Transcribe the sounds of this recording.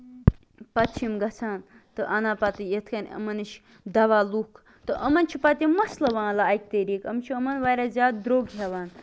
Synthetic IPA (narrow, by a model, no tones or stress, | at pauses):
pɐt̪ʰimɡɐt͡sʰaːn | t̪ɨʔɐnaːpɐt̪ɨjet̪ʰkɐnʲɐ̰mɐnɨʃ | d̪ɐʋaːlukʰ | t̪ɨʔɐmɐnt͡ʃʰipɐt̪ʲimɐslɐʋãːlaːk̚t̪eɾiːkɐmt͡ʃʰiəmɐnʋaːjɾazʲaːd̪̚d̪ɾoːɡɦʲɐʋaːn